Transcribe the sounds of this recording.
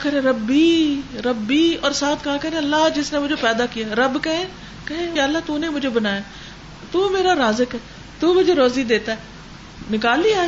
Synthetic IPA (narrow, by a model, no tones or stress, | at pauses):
kɐɾẽɾɐbːiɾɐbːiɔːɾsaːt̪ʰkãːkɐɾẽɐlːaɦd͡ʒɪsnemʊd͡ʒʱepɛːd̪akijaːɾɐbkɛɦẽ | kɐɦẽjaːəlːaːt̪uːnemʊd͡ʒʱebɐnaːjaː | t̪uːmeːɾaɾaːzəkɦɛː | t̪umʊd͡ʒʱeɾoːzid̪eːt̪aɛː | nɪkaːliaː